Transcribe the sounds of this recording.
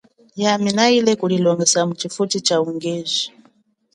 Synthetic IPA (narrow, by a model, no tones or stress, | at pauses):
jaminailɛkulilɔŋɡɛsamut͡ʃifutit͡ʃauŋɡɛːzi̥